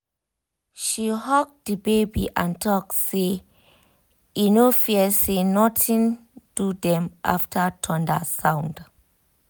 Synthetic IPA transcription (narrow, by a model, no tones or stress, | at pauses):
ʃihɔk̚dibebḭʔãntʰɔk̚se | inofiəsenɔtĩn | d̥udɛ̃mʔa̰ftʰətʰɔ̃nda̰sãw̃nd